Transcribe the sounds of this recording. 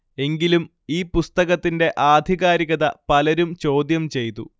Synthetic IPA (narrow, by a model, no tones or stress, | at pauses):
e̞ŋɡilum | iːpust̪ɐɣɐt̪ːinde̞ʔaːd̪ʱiɣaːɾiɣɐðɐpɐlɐɾumt͡ɕo̞ːd̪jɐmt͡ɕe̞jt̪ːṵ